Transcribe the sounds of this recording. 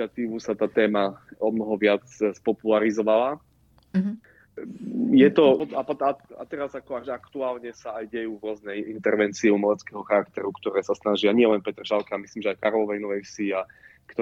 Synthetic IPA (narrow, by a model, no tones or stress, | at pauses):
at̪iːʋusat̪aːt̪ɛːmaɔmnɔɦɔʋɪat͡sspɔpulaɾizɔʋala | jɛt̪ɔɔap̪aa̰t̪ɛɾazakɔaʒakt̪uaːlɲɛsaajɟɛjuːvʊɔznɛjint̪ɛɾʋɛnt͡siɛumalɛt͡skɛːɦɔxaɾakt̪ɛɾukt̪ɔɾɛːsasnaʒɪaɲɪɛlɛnpɛt̪rʒalkɛamisliːmʒɛajkaɾɔlɔʋɛjnɔʋɛjsia | kt̪